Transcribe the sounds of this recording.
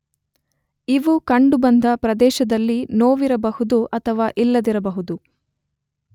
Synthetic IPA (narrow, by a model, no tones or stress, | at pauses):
iʋukɐɳɖubɐnd̪ɐpɾɐd̪ɛːʃɐd̪ɐlːinoːʋiɾɐbɐhud̪uʔɐt̪ʰɐʋaːʔilːɐd̪iɾɐbɐɦud̪u